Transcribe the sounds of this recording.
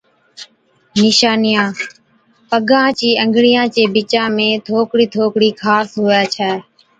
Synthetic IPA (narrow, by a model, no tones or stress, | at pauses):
nɪʃaːnɪjãː | pəɡãːt͡ʃiːə̃ŋɡɽijãːt͡ʃeːbɪt͡ʃãːmẽːt̪ʰoːkɽiːt̪ʰoːkɽiːkʰaːsɦʊːjaːt͡ʃʰɛː